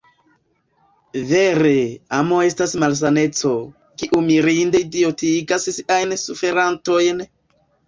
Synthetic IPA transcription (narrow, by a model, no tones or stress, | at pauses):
ve̞ɾe̞amo̞e̞stasmals̬ane̞t͡so̞ | kiʔumiɾinde̞dio̞tiɡassiʔajnsufe̞ɾanto̞jn